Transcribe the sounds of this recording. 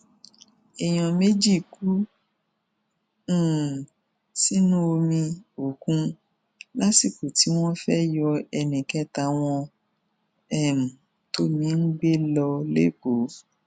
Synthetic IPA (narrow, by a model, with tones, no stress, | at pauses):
ɛ˨j̃ɔ̃˨me˦d͡ʒi˦˨ku˦˨ | si˦nũ˦o˧mĩ˧o˨kũ˦ | la˦si˦˨ko˨ti˨˦w̃ɔ̃˦fɛ˦jɔ˧ɛ˧nĩ˨kɛ˦ta˧w̃ɔ̃˧ | ɛ˦˨m̩̃˨ | to˦mĩ˨˧˦n̩˦ɡ͡be˦lɔ˧lḛ˦k͡po˨˦